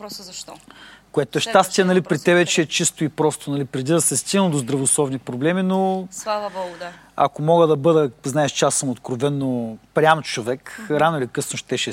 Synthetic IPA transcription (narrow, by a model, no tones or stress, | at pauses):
koɛt̪oɛʃt̪ast̪ʲiɛnɐlipɾit̪ɛvɛt͡ʃɛːt͡ʃist̪oipɾɔst̪onɐlipɾɛd̪id̪ɐsɛst̪iɡnd̪ozd̪ɾɐvoslˠɔvnipɾoblɛminoaɡ | ɐ̰komɔɡəd̪ɐbɤd̪əznaɛʃt͡ʃasəmot̪kɾovɛnːopɾʲamot͡ʃovɛkɾanoilʲikɤsnoʃt̪ɛʃɛ